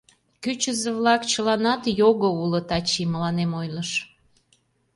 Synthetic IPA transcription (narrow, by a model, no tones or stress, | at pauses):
kyt͡ɕəzeβlɑkt͡ɕəlɑnɑt̪joɣəulət̪ɑt͡ɕiməlɑnemojləʃ